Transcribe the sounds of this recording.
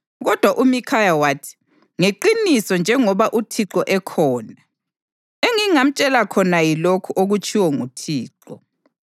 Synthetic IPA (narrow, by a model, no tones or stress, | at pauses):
ɣɔd̥ʱwaʔumikʰajawaːtʰi̥ | ŋeǃinisɔnd͡ʒʱɛŋɔβaʔutʰiǁɔʔɛkʰɔːna | eŋiŋam̩t͡ʃʼɛlakʰɔnajilokʰuʔoɣut͡ʃʼʰiwɔŋutʰiːǁɔ